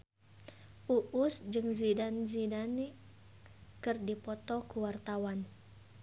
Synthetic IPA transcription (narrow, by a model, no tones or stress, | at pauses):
ʔuʔʊsd͡ʒɨŋzidanzidani | kɨrdipɔt̪ɔkuwart̪awan